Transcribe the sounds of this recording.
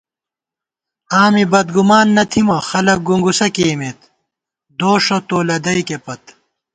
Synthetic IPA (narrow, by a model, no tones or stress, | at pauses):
aːmibɐd̪ɡumaːnːɐt̪ʰimɐxɐlɐk̚ɡuŋɡusɐkeːmet̪ | d̪oːʂot̪oːlɐd̪ɐjkepɐt̪